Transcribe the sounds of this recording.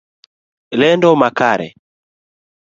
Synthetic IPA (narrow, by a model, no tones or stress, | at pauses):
lɛndɔmakaɾɛ̰